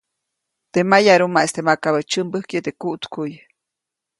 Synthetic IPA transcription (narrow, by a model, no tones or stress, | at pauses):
t̪emajaɾumaest̪emakaβət͡ʃəmbəhkjet̪ekuʔt̪kuj